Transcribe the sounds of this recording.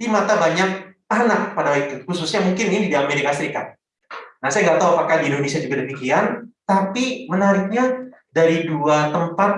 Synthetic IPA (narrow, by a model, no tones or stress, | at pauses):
dimat̪abaɲak̚anak̚padawait̪ukususɲamuŋkɪnŋɪndidiameɾikasəɾikat̪̚ | nahsajaŋɡaʔt̪auapakadiindonesiad͡ʒuɡadəmikiant̪apimənaɾɪk̚ɲa | daɾiduat̪əmpat̪̚